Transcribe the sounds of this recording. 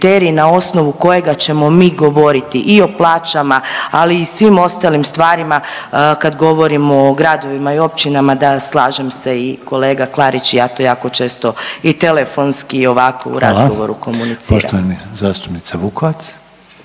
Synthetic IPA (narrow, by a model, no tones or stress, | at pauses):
t̪eːɾinao̞sno̞ʋuko̞je̞ɡat͡ʃe̞mo̞miːɡo̞ʋo̞ɾit̪iʔio̞plˠaːt͡ʃamaaliːsʋimo̞st̪alimst̪ʋaːɾimakad̪ɡo̞ʋo̞ɾimoːɡɾad̪o̞ʋimaio̞pt͡ʃinamad̪aslˠaːʒemse̞iko̞le̞ːɡaklˠaɾit͡ʃijaːt̪ojaːko̞t͡ʃe̞ːst̪o̞it̪e̞le̞fo̞nskiːo̞ʋako̰ṵɾʔa̰zɡoʋo̞̰ɾṵko̞munit̪sioʃɾa̰t̪oʋanizaːst̪u̥pnit̪saʋukoʋat̪s